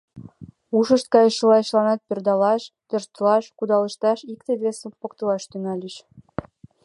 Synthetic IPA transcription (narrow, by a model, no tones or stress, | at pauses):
uʃə̆ʃt̪̚kɑjəʃəlɑjʃlɑnɑt̪̚perd̪ɑlɑʃt̪ørʃt̪əlɑʃkud̪ɑlə̆ʃt̪ɑʃikt̪ed̪βesĕpokt̪ɤ̆lɑʃt̪ynɑlʲiʃ